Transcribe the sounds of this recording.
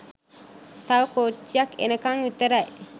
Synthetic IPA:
t̪awkot͡ʃːiakḛnəkaŋjut̪əɾaj

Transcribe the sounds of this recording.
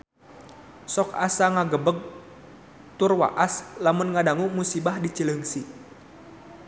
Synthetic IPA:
sɔka̰saŋaɡəbəɡ̚ | t̪ʊrwa̰ʔaslamunŋadaŋumusibahdit͡ʃələŋsi

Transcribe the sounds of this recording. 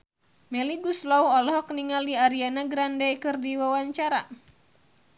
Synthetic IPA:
mɛliɡuslɔuɔlɔɦɔkniŋaliaɾianaɡɾandɛkɨrdiwawaɲt͡ʃaɾa

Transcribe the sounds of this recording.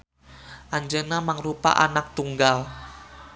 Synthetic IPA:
ʔaɲd͡ʒənamaŋrupa̰ʔanak̚t̪uŋɡal

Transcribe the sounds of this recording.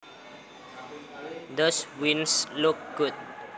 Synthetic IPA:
dɔswĩnsluk̚ɡ̥ut̚

